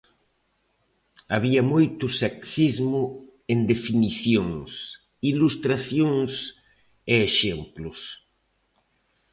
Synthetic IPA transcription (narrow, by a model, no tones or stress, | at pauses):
aβ̞iamojt̪ʊseksizmʊ | end̪efiniθjoŋs | ilust̪ɾaθjoŋs | eːʃemplʊs